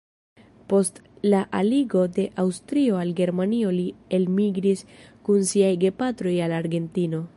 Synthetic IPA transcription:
po̞stlaʔaliɡo̞de̞ʔawstɾio̞alɡe̞ɾmanio̞lie̞lmiɡɾiskunsiajɡe̞patɾo̞jalaɾɡe̞ntino̞

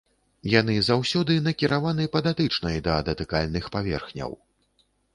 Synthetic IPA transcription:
janɨzawsʲɔd̪ɨnɐkʲiɾavanɨpɐd̪at̪ɨt͡ʂnɐjd̪ɐd̪ɐt̪ɨkalʲnɨxpavʲɛ̰rxnʲɐ̰w

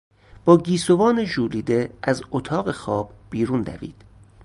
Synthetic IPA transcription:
b̥ɒːɟiːsovɒːneʒuːliːd̪eʔæzot̪ʰɒːɣexɒːb̥biːɾuːnd̪æ̰vḭːd̪̥

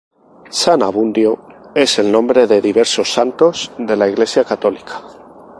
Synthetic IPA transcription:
sanaβ̞und̪jo̞e̞se̞lnõ̞mbɾe̞ðe̞ðiβe̞ɾso̞sːant̪o̞zðe̞laiɣle̞sjakat̪o̞likḁ

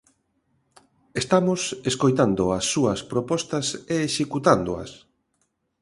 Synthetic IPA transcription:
est̪amʊseskojt̪and̪oɐsːuɐspɾopɔst̪ɐseːʃekut̪and̪oɐ̰s

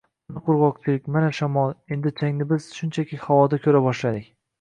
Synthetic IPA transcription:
anɪqʰʊɾʁɒq̚t͡ʃʰɪlɪk̚ʲmanaʃamɒlˠe̞nd̪ɪt͡ʃʰaŋnɪbɪz̥ʃʊnt͡ʃʰakʲʰihawɒd̪akʲʰɵɾabɒʃlad̪ɪkʲ

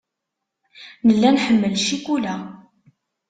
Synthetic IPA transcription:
nəlːænħəmːəlʃikulæ

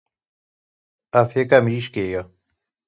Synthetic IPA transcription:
afekamiːʃkeːja

